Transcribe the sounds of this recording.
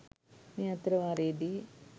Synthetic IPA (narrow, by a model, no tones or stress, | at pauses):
niɐt̪ɾɐʋaɾeːd̪i